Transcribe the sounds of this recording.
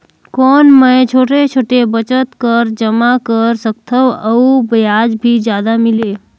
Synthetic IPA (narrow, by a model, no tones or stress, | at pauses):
kɔːnməjt͡ʃʰoːʈet͡ʃʰoːʈebət͡ʃət̪kəɾd͡ʒəmakəɾsəkt̪ʰəʋəubjad͡ʒbʱid͡ʒjaːd̪amɪleː